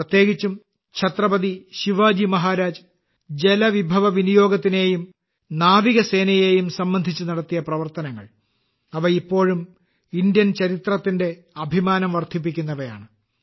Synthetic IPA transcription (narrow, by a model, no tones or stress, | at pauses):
prɐt̪je̞ːɡit͡ɕːum | kɕʰɐt̪rɐbɐd̪iɕiʋaːd͡ʑimɐɦaːɾaːd͡ʑ | d͡ʑe̞lɐʋibʱɐʋɐʋinijo̞ːɡɐt̪ːine̞ːjum | naːʋiɣɐse̞ːnɐjeːjumsɐmbɐnd̪ʱit͡ɕːunɐɽɐt̪ːijɐprɐʋɐrt̪ɐnɐŋːɐ̰ɭ | ɐʋɐipːo̞ːɻum | indjɐnt͡ɕɐɾit̪rɐt̪ːinde̞ | ɐbʱimaːnɐmʋɐrt̪ʰip̬ːikʲːunːɐʋɐja̰ːɳɨ